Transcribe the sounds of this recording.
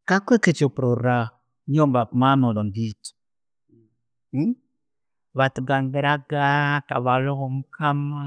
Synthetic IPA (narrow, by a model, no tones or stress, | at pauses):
kakʷeket͡ʃopɾoɾa | ɲɔmbapmamɔlɔndit | βatuɡaŋɡɛɾaɡaka̰βalɔɣɔm̩kama